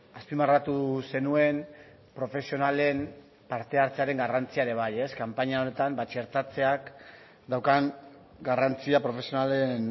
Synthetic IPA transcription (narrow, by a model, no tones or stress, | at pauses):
aspimarat̪use̞nue̞m | pɾo̞fe̞sio̞nale̞m | paɾt̪e̞aɾt͡se̞aɾe̞ŋɡarant͡siaɾe̞β̞aje̞skampaɲaonet̪ambat͡ʃe̞ɾt̪at͡se̞ak | d̪awkaŋ | ɡarant͡siapɾo̞fe̞sio̞nalen